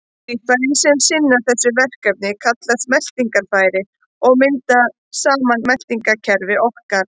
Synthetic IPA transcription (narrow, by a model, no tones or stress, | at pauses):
ikfaɾɪnsɛmsɪnːaθɛsːʏvɛr̥kɛp̚nɪkʰat̪last̪mɛl̥t̪iŋkaɾfaːjɾɪ | ɔɣmɪnt̪a | saːmanmɛl̥t̪iŋkacʰɛɾvɪɔhkaɾ̥